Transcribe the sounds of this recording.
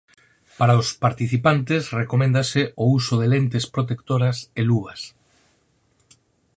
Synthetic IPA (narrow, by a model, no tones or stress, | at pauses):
paɾaospaɾt̪iθipant̪esrekomẽnd̪aseousʊðelent̪espɾot̪ekt̪oɾaseluas